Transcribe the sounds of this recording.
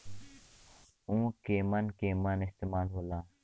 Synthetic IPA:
ũːkeːmənkeːmənɪst̪eːmaːlɦoːlãː

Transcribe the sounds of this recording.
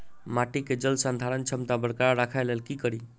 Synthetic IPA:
maʈiked͡ʒəlsand̪ʱaɾənt͡ʃʰəmt̪abəɽkaɾaɾakʰajlelkikəɾi

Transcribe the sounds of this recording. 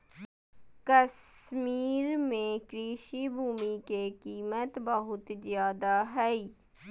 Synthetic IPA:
kəsmiːɾmẽkɾiːʃibʱuːmikekiːmət̪bəɦʊt̪zjaːd̪aɦɛiː

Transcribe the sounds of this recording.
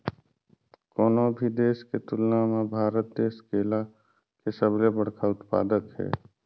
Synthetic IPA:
kɔːnobʱid̪eːsket̪ʊlnamebʱaːɾət̪̚d̪eːskeːla | kesəblebəɽkʰaʊt̪pa̰ːd̪əkɦɛ̰ː

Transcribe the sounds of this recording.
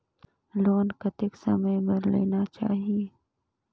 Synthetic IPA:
loːnkɐt̪ɪksɐ̰məjbɐɾlḛːnat͡ʃa̰ːɦie

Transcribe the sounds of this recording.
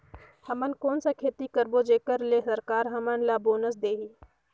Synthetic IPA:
həmənkoːnsakʰeːt̪ikəɾboːd͡ʒeːkəɾleːsəɾkaːɾɦəmənlaːboːnəs̬d̪eːɦiː

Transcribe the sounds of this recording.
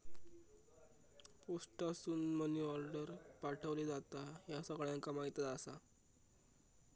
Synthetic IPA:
posʈasuːnməniɔɾɖəɾpaʈʰəʋled͡zat̪ajasəɡɭjaŋkamaɦit̪at̪asa

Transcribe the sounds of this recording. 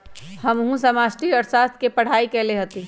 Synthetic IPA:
həmɦũsəmasʈiɔɾsast̪ʰkepəɽ̤aikeleɦət̪i

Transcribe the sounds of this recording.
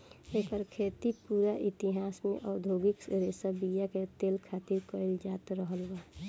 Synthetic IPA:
eːkəɾkʰet̪ipuːɾaʔɪt̪iɦaːsmḛʔɔʊd̪ʱoːɡɪkɾesəbijaket̪eːlkʰaːt̪iɾkəɪld͡ʒaːt̪ɾəɦəlbaː

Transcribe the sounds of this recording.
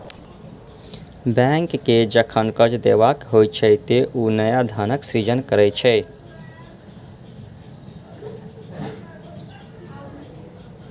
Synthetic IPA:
bɛŋkːed͡ʒəkʰənkəd͡ʒd̪eʋakɦojt͡ʃʰɛt̪eʔunəjad̪ʱanəksɾid͡ʒənkəɾɛt͡ʃʰɛ

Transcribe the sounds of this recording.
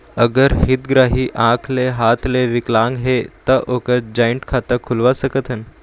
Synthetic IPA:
əɡəɾɦit̪ɡɾaɦiːʔãkʰleɦat̪leʋiklãŋɡɦet̪əʔokəd͡ʑajɳʈkʰat̪əkʰulʋasəkət̪ʰən

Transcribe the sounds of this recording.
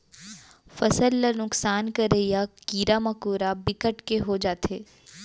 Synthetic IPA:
fɐsəlːənʊksaːnkɐɾejakiːɾamɐkuːɾabɪkəʈkeɦod͡ʒaːt̪eː

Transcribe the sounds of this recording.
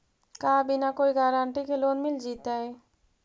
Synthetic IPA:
kaːbʱinakoːiɡaɾaːɳʈikeloːnmɪld͡ʒiːt̪ae

